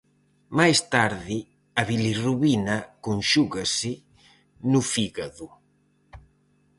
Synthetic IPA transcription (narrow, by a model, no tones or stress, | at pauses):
majst̪aɾði | aβiliruβinakunʃuɣasɪ | nufiɣaðu